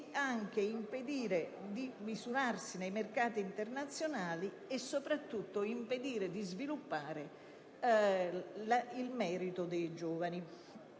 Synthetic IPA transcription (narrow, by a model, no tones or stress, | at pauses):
aŋk̟eimped̪iːɾed̪imizuɾarsinejmerkaːt̪iːnt̪ernat̪sːjonaːli | ɛsːopɾat̪ːut̪ːʊimped̪iːɾed̪izvilupːaːɾɪ | lailmɛːɾit̪ʊd̪ejd͡ʒɔːvani